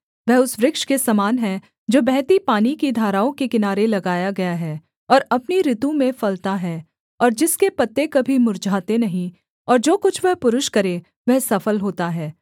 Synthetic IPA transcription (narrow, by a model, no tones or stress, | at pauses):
ʋɛɦʊsʋɾɪkʃkesɐmaːnɦɛ̃ | d͡ʒoːbɛɦt̪ipaːnikid̪ʱaːɾaːõkekɪnaːɾelɐɡaːjaɡɐjaɦɛː | ɔːɾɐpniɾɪt̪ũmẽfɐlt̪aɦɛː | ɔːɾd͡ʒɪskepɐt̪ːekɐbʱimʊɾd͡ʒʱaːt̪enɐɦĩ | ɔːɾd͡ʒoːkʊt͡ʃʰʋɛɦpʊɾʊʃkɐɾe | ʋɛɦsɐfəlɦoːt̪aɦɛː